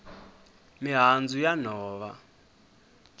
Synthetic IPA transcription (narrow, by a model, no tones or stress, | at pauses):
miɦand͡zujanɔːβa